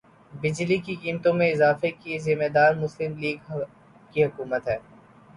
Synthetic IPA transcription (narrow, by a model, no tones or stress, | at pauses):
bɪd͡ʒlikikiːmt̪õmẽɪzaːfekezɪmed̪aːɾmʊslɪmliːɡ | kiɦʊkuːmət̪ɦɛː